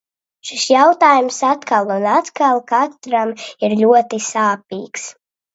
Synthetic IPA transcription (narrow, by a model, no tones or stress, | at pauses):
ʃisjawt̪aːjumsat̪kalˠunat̪kalˠkat̪ɾamiɾlʲuɔt̪isaːp̚iːks